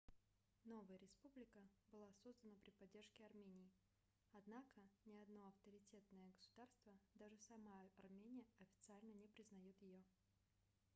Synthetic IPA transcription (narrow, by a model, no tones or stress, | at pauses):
no̞vəjəɾʲɪspublʲɪkəbɨlˠaso̞zd̪ənəpɾʲɪpɐdʲːe̞rʂkʲɪɐrmʲenʲɪː | ɐd̪nakənʲɪɐd̪no̞ɐft̪əɾʲɪtʲe̞t̪nəjəɡəsʊ̥d̪arst̪vəd̪aʐɨsɐmaɐrmʲenʲɪjəɐfʲɪ̥t̪sɨalʲnənʲɪpɾʲɪznɐjut̪jɪjo